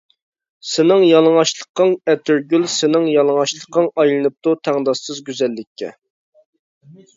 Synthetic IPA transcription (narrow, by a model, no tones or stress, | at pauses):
sɪnɪŋjɑlˠəŋɑʃlˠəqːɑŋɛt̪ʰyɾɡʲylsɪnɪŋjɑlˠəŋɑʃlˠəqɑŋɑjlˠɨnɨp̚t̪ut̪ʰæŋd̪ɑʃɨzɡʲyzɛlːɪkʲʰːɛ̰